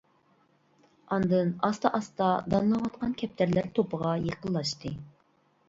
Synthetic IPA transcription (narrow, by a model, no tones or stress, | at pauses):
ɑnd̪ɨnɑst̪ɑʔɑst̪ɑd̪ɑnlˠɑwɑt̪̚qʰɑnkʲʰɛp̚t̪ʰæɾlæɾt̪ʰopʰəʁɑjeqəlˠːɑʃt̪ɨ